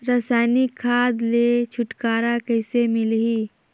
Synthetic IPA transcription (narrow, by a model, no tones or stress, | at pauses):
ɾasaːɪnikʰːaːd̪let͡ʃʰʊʈkaːɾakɛːsemɪlɦiː